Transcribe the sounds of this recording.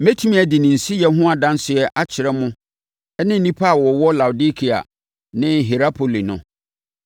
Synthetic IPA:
me˦tʰi˦mĩ˦ɛ˨dɪ˨nɪ̃˨n̩˨si˦jɛ˦ɦʊ̃˦a˨dã˦n˦sɪ˨ɛ˦ʔa˦t͡ɕʰɪ˨ɾɛ˦mʊ̃˦ | ɛ˦nɪ̃˦n̩˦nĩ˦pʰa˦a˨wɔ˨wɔ˦la˨wʊ˨di˦kʰi˨a̰˨ | nɪ̃˦ɦi˨ɾa˦pʰo˨li˨nʊ̰̃˨

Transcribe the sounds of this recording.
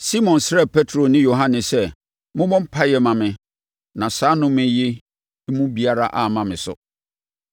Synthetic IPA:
si˦mɔ̃˨nsɾɛ˦˨pʰɛ˦tʰɾo˨nɪ̃˦jo˨ɦã˦nɪ̃˨sɛ˦ | mʊ̃˦mɔ̃˦m̩˦pʰa˦jɛ˨mã˨mɪ̃˨ | nã˨saː˨˦nʊ̃˦mɪ̃˦je˦ | mũ˦bi˦a˦ɾa˦ʔa˨mã˨mɪ̰̃˨sʊ̰˨

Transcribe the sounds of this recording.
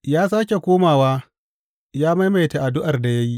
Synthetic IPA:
jaː˦s̬aː˦kʲe˨kʷoː˦maː˨waː˦ | jaː˦ma˦jma˨jta˨ʔa˨dʊ˦ʔa˨rda˨jɐ˦ji˦ʔ

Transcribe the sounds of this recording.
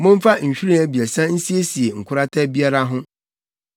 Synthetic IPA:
mʊ̃˦m˦fa˦ɲ̩˨ɕᶣi˦ɾĩ˦æ˦bi˨æ˨sã˦n̩˦si˦e˦si˨e˨ŋ̩˨kʷʰʊ˦ɾa˦tʰɛ˦bi˦a˦ɾa˦ɦʊ̃˦

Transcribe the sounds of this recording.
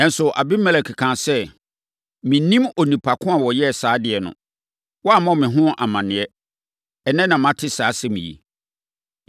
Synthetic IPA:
ɛ˦n̩˨sʊ˨ʔa̰˨bi˦mɛ˦lɛ˨kʰɪ˨kʰã˨sɛ˦ | mɪ̃˨nĩ˦mɔ˨nĩ˨pʰa˨kʰʊ̃˦a˨wɔ˨jɛ˦˨saː˨˦dɪ˨ɛ˨nʊ̰̃˨ | wɔ˦a˦˨mɔ̃˦mɪ̃˨ɦʊ̃˦ʔa˨mã˨nɪ̃˨ɛ˦ | ɛ˨nɛ̃˦nã˨mã˦tʰɪ˦saː˨˦sɛ˦mḭ̃˨jḭ˨

